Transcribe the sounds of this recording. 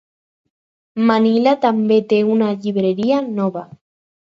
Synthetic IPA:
manilat̪ambet̪eunaʎiβɾeɾianoβa

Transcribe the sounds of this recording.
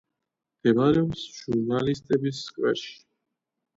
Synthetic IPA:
md̪̥ɛvaɾɛɔmsʒʒuɾnalist̪ʼɛbisːkʼwɛɾʃi̥

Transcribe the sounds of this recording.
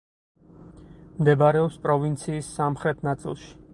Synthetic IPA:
md̪ɛbaɾɛɔpspʼɾɔvint̪sʰiːsːamχɾɛt̪ʰnat̪sʼḭlˠʃi̥

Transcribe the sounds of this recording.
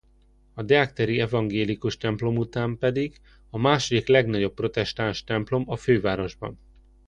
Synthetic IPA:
ɒd̪ɛakt̪ɛɾiɛvɒŋɡeːlikuʃt̪ɛmplo̞mut̪aːmpɛd̪iɡ | ɒmaːʃo̞d̪iklɛɡnɒɟo̞pːro̞t̪ɛʃt̪aːnʃt̪ɛmplo̞mɒføːvaːɾo̞ʒbɒ̰n

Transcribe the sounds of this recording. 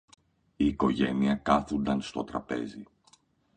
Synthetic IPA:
iːko̞ʝe̞niɐkɐθund̪ɐnst̪o̞t̪ɾɐpe̞̰zi

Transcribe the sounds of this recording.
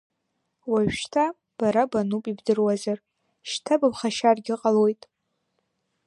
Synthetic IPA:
waɥᶣʃtʰa | b̥aɾabanupʼibdɨrwazar | ʃtʰabapχaʃarɡʲɪqʼalojtʼ

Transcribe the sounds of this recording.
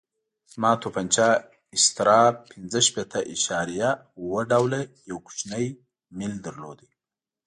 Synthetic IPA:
mɑːt̪ʰopant͡ʃɑ | ɪst̪ɪɾɑpʰːɪnzəʃpet̪ʰaʔiʃɑɾija | wəɖawlajawku̥t͡ʃnaj | mild̪əɾlod̪i

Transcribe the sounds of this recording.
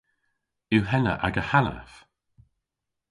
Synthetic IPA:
ɪwɦɛnə̰ʔaɡəhana̰f

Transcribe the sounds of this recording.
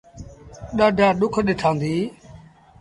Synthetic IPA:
ɗaːɖʱãːɗʊkʰɗɪʈʰãːnd̪iː

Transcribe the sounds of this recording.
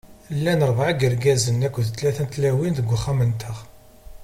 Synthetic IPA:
lːænəɾˤbʕaɡəɾɡæzənːækʷːðt̪læθænt̪læwinðəɡʷːχæmənt̪ʰəʁ

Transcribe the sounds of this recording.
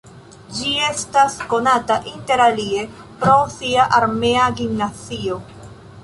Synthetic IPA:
d͡ʒie̞stasko̞nataʔinte̞ɾalie̞ | pɾo̞siaʔaɾmeaɡimnat͡sio̞

